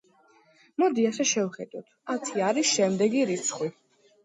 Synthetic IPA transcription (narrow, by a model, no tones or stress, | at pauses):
mɔd̪iasɛʃɛvχɛd̪̥ɔt̪ʰat̪ʰiaɾisʃɛmd̪ɛɡiɾit̪sʰχwi